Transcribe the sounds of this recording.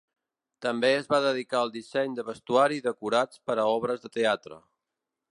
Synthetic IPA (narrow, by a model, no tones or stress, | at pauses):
t̪əmbeəzβaðəðikaəlˠd̪isɛɲd̪əβəst̪uaɾiðəkuɾat͡spəɾəɔβɾəzðət̪eat̪ɾə̰